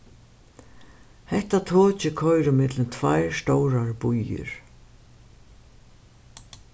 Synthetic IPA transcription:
hɛht̪at̪ʰoːt͡ʃɪkʰɔjɾɪmɪt̪lɪmt̪ʰvajɹst̪owɾaɹbujɪ̰ɹ̥

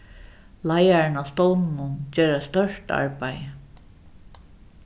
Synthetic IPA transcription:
lajaɹɪnast̪ɔwnnʊnt͡ɕeːɾæst̪œʂʈa̰ɹpajə

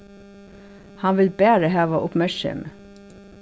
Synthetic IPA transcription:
hɑnʋɪlbæːɾəhæːʋɑʔʊpmæʃə̰m

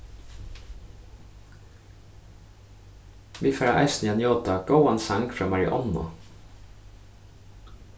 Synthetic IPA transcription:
ʋiːfɛːɹa̰ʔɑ̰ɪsnianjoːt̪aɡ̥owansaŋkfɹaːmaɹɪ̰ʔɔ̰nʊ̰

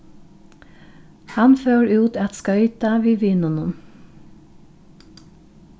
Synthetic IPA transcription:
hɑnføːɹʉːt̪ɛt̪skœʏt̪əʋiːʋiːnʊnʊn

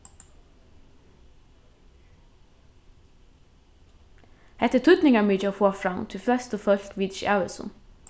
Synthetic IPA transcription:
hɛt̪ət̪ʰʉd̪nɪŋamiːt͡ʃofoːfɹɑmt̪ʰɪlflœst̪ɔfœlkʋid̪ʃæʋəsɔ̰n

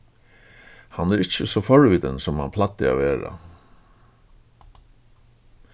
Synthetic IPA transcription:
hanæːɾɪt͡ɕːəsɔfɔɹʋid̪ənsɔmha̰npʰlat̪ːɪa̰ʋeːɾa̰

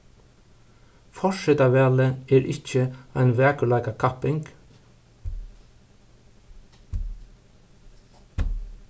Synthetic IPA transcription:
fɔʃɛt̪ɑːʋæːləeːɾʔɪçəæɪnʋæːkəɭɑɪɡɑkʰɑpɪŋɡ̥

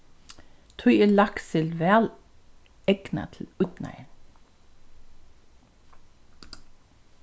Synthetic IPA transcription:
t̪ʰɔjəlɑksɪlʋæːl | ɛɡ̥nɑ̰t̪ʰl̩ʉt̪næ̰ɪ

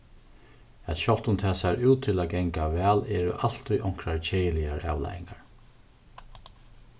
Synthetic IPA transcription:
ɛt̪ʃɔlt̪ʊnt̪ʰɛːsaɹuːt̪ʰːɪlaɡɛŋkavɛːlɛːɾʊʔal̥t̪ʊjʔɔŋ̥kɾaɹt͡ʃʰeːjəlɪjaɹʔa̰wla̰jɪ̰ŋkaɹ

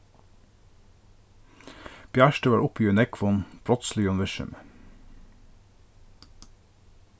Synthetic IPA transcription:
b̥jæːʃʈəʋɑːɹʔʊpiːʉnɛkʰʋɔnb̥ɾɔt̪slɪʉnʋɪʃʉ̰m

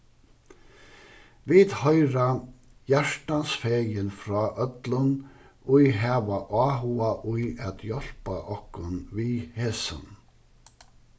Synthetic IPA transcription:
vɪðhœʏɾa | jæʂʈansfɛjənfɾɑːʔœt̪lən | ʊjɦæːʋaʔɑːɦuaʔʊjæt̪jɔl̥paʔɔhkʊnviːheːsə̰n

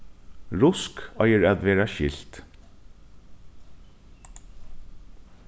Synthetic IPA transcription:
ɹʊskɑɪəɹæd̪ʋeːɹɑʃɪ̰lt̪

